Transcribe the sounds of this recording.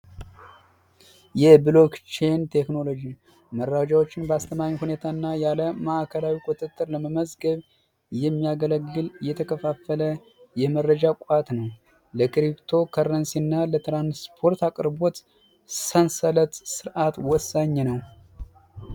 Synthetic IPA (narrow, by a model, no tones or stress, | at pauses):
jɛbɨlo̞ɡt͡ʃe̞nt̪ʰe̞kno̞lo̞d͡ʒi | mərːad͡ʒawo̞t͡ʃːɪnbəast̪ʰəmaɲhune̞t̪ʰaɨnːajaləməʔkʰəlawikʼut̪ʼɨt̪ʼːɨɾləməməzɡəβ | jɛmːijaɡələɡːɨljɛt̪ʰəkʰəfafːələ | jɛmərəd͡ʒakʼat̪nəw | ləkɾipt̪ʰo̞kʰəɾənsinːalət̪ɾanspʰo̞ɾt̪akʼɾbo̞t̪ | sənsələt̪sɨɾʔat̪wɔsːaɲːnəw